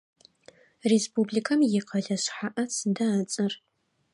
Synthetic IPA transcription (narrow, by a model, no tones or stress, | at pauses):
respubɮikʰɐmjɪqʰɐɮɐɕħaʔɐsʰɨdɐːt͡sʼɐr